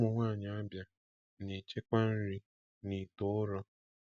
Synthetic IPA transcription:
ʊ˨ŋʷaː˦˨ɲa˨a˦bja˦ | ni˨t͡ʃe˦kʷa˦n̩˦ɾi˦ | ni˨tʊ˦ʊ˦ɾɔ˦

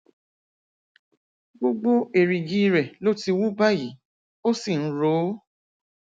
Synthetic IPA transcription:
ɡ͡bo˦ɡ͡bo˦e˨ɾi˨ɡi˦˧ɾɛ˨lo˦ti˧wu˦ba˦ji˨˦ | o˦si˦˨n̩˦ɾo˨˦

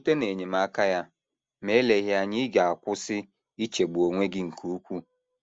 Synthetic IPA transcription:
u˦te˦ne˨ɲe˨m˦a˦ka˦ja˦ | me˦le˨ɦɪ˦a˨ɲɪ˦ɡa˨a˨kʷʊ˦sɪ˦ | i˦t͡ʃe˨ɡ͡bu˨o˨ŋʷe˦ɡɪ˦ŋ̩˨kʰu˦u˦kʷu˦

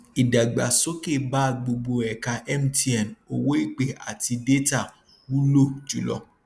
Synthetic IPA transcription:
i˨da˨ɡ͡ba̰˨so˦ke˦˨ba˦˧ɡ͡bo˧ɡ͡bo˧ɛ˨ka˧ʔɛ˦m˦ti˦ɛ˨no˨wo˦i˦˨k͡pe˦˨a̰˨ti˧de˦ta˦˨ | wu˦lo˦˨d͡ʒu˨˦lɔ̰˧

